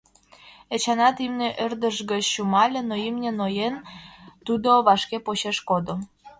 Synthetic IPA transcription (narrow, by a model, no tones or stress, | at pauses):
et͡ɕɑnɑt̪imneʔerd̪əʃɣət͡ɕɕumɑlʲenoimnʲĕnojent̪ud̪oβɑʃkepoɕeʃkod̪o